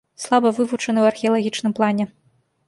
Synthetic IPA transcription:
slˠabɐvɨvut͡ʂɐnɨwɐrxʲɛɐlˠaɣʲit͡ʂnɨmplˠanʲɛ

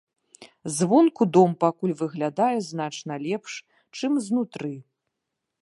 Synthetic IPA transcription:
zvɔnkud̪ɔmpakulʲvɨɣlʲad̪ajɛzn̪at͡ʂnɐlʲɛpʂ | t͡ʂɨmznut̪ɾɨ

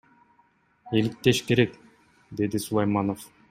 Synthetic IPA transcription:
elik̚t̪eʃke̞ɾek | d̪e̞d̪isulˠɑjmɑnof

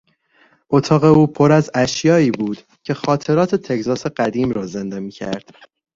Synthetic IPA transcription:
ʔo̞t̪ʰɒːɣe̞uːpʰo̞ɾæzæʃjɒːiːbuːd̪̥ | cʰe̞xɒːt̪ʰe̞ɾɒːt̪ʰe̞t̪ʰe̞cʰzɒːse̞ɢæd̪iːmɾɒːze̞nd̪emiːcʰæ̰ɾd̪̥

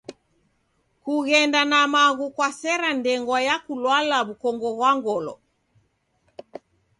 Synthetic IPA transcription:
kuɣɛndanamaɣukwasɛɾandɛŋɡwajakulwalaβukɔŋɡɔɣwaŋɡɔlɔ̰

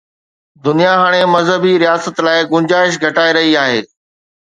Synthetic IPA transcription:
d̪ʊnijaɦaːɽ̃emɐzɦəbiɾijaːsət̪laːɪɡʊ̃nd͡ʑaːɪʃɡʱɐʈaːeɾɐɦiaːɦḛː

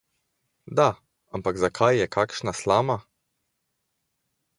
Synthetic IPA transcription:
d̪a | ampaɡzakʰajːɛkʰaːkʃnaslaːma

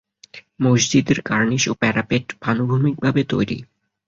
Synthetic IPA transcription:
mod͡ʑd͡ʑid̪eɾkaɾniʃopɛɾapeʈbʱanobʱumik̚bʱabet̪ojɾḭ

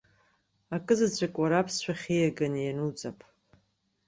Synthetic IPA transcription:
akʼɨzat͡ɕʷʰʼakʷʼaɾapʰsʃʷᶣaχʲejaɡanjanut͡sʼapʼʰ

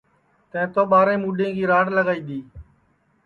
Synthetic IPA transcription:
t̪ə̃ːt̪oːɓaːɾẽːmuːɖẽːɡiːɾaːɽləɡaːiːd̪iː

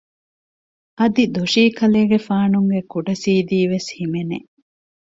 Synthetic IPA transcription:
ʔɐd̪id̪oʂiːkʰɐleːɡefaːnuŋɡekuɖɐsiːd̪iːʋeshimenḛ

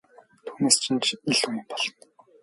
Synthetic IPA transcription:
t̪ʰuːneːst͡ɕʰɪ̆nt͡ɕiɮunpɔ̥ɮt̪

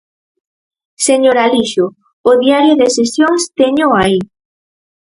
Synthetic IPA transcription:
seɲoɾaliʃʊː | ðiaɾjoðesesjoŋst̪eɲʊai

